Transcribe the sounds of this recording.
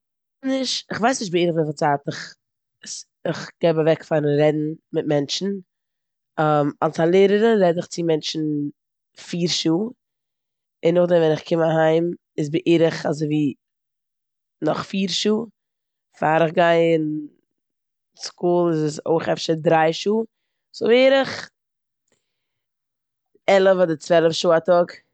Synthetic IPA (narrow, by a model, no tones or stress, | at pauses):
nɪʃɪχvaɪsnɪʃtbɪiːɾɪχvifat͡saːtɪχ | s | ɪχɡ̥eɪbavɛkfaɾnɾɛdn̩mɪt̚mɛnt͡ʃn̩ | amalˠsanlˠeːɾəɾəɾɛdɪχt͡sɪmɛnt͡ʃn̩ | fiːɾʃuː | ɪnːʊχdɛmvɛnɪχkʰɪmaɦaɪm | ɪsbɪʔeːɾəχazoɪviː | nɔχfiːɾʃuː | faːɾəχɡaɪɪn | skuːlˠɪzso̰ɪχɛfʃədɾaɪʃuː | z̥obeːɾəχ | ɛlˠəvɔdɪt͡svɛlˠəfʃuːatɔɡ